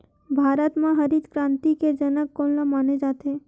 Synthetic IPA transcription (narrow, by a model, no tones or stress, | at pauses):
bʱaːɾət̪mãɦəɾid̪kɾãnt̪iked͡ʒənəkːonlamaːned͡ʒat̪e